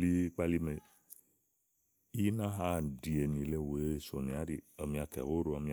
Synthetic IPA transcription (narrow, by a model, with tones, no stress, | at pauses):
li˦k͡pa˦li˦me˨ | i˦nã˦ɦa˦˨di˨e˨nĩ˨le˦we˨˦˨so˨nĩ˨a˦ɾi˨a˨mĩ˨˦a˨˧t̪ɛ̰˨ho˦ɾo˦a˧mĩ˦